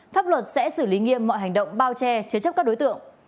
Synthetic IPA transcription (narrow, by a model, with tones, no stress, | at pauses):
faː˦˥p̚lwə˨˩t̚sɛ̰˧˥sɨ˧˩li˨˦ŋḭ˧˨əmːɔ̰˧˨jɦa˨˩ŋ̟ɗə̰˧˨wŋ͡mɓaː˧wt͡ɕɛ˧t͡ɕɨ˧˦t͡ɕə˦˥p̚kaː˦˥k̚ɗjt̪ɨ̰˧˨əŋ